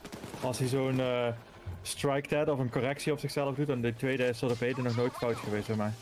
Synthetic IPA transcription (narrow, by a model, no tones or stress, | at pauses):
ɑlˠsizownː | strɑjk̚tɛtɔfənkɔrɛksiɔpsɪxsɛləvdut̚dɑnditʋejdəɪsodəpejdənɔχnoːjtfɑwtxəʋejstəmɛj